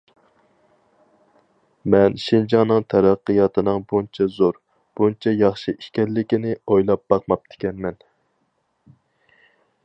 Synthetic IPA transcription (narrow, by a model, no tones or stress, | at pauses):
mɛnʃind͡ʒɑŋnɨŋt̪ʰæɾæqːɨjɑt̪ʰɨnɨŋbunt͡ʃʰɛzoɾ | b̥unt͡ʃʰɛjɑχʃɨiʃkʲɛlːɪkʲinɪojlˠɑp̚bɑq̚mɑp̚t̪ʰɪ̥kʲɛnmɛn